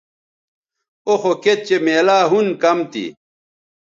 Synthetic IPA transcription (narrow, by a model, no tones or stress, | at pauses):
oxoket̪̚t͡ɕemeːlaːɦunkɐmt̪ḭ